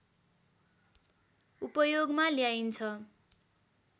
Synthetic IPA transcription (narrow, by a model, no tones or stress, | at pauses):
upʌjoɡmaljajnt͡sʰʌ